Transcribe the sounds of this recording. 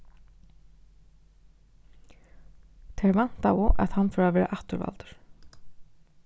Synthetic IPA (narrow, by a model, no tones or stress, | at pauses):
t̪ʰɛɾvan̥t̪avʊʔaðhanːfœɾavɛːɾa̰ʔaht̪ʏɾva̰lt̪ʏ̥ɾ̥